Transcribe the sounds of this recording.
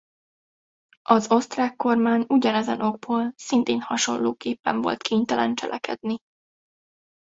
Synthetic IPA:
ʔɒzo̞st̪raːkːo̞rmaːɲuɟɒnɛzɛnʔo̞ɡ̚boːlsint̪eːnhɒʃo̞̰lːoːkeːpːɛɱvo̞̰lt̪kʰeːɲt̪ɛlʔɛnt͡ʃɛ̰lʔɛkɛ̰d̪ni

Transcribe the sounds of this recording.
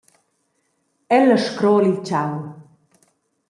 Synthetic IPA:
ɛləʃkɾɔːlilt͡ɕaw

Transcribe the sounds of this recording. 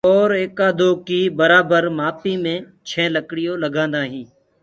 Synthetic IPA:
ɔːɾeːkaːd̪oːkiːbəɾaːbəɾmaːpiːmẽː | t͡ʃʰẽːləkɽɪjoːləɡʱãːnd̪aːɦĩː

